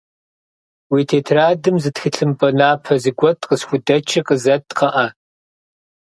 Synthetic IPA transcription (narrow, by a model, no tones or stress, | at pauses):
wiːtʰeːtʰraːdɨmzɨtxɨɬʰɨmpʼɐnaːpʰɐzɨɡʷɔtʼqəsxʷʊdɐt͡ʃʰɐqʼəzɐtqɐʔɐ